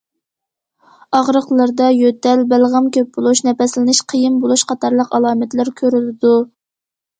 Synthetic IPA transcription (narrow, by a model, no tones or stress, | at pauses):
ɑʁɾəqlˠəɾd̪ɑjøt̪ɛlbælʁəmkʲʰøp̚bolˠuʃnɛpɛslɪnɪʃqʰəjɪmbolˠuʃqʰɑt̪ʰɑɾlˠəqɑlˠɑːmɛt̪læɾkʲʰøɾylɪd̪u